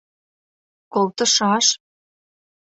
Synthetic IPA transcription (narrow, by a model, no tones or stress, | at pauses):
kolt̪ə̆ʃɑʃ